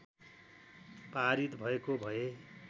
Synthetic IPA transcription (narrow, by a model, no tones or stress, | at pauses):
paɾit̪bʱʌekobʱʌe